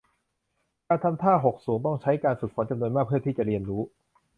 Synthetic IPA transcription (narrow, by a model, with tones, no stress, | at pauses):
kaː˧nt̪ʰa˧˥mt̪ʰaː˥˩ɦo˨˩k̚suː˩˦ŋt̪ɔ˥˩ŋt͡ɕʰa˦˥jkaː˧nsu˨˩k̚ʰɔ˩˦nt͡ɕa˧mnu˧nmaː˥˩k̚ʰɯ˥˩əiː˥˩t͡ɕa˨˩ɾi˧ənɾuː˦˥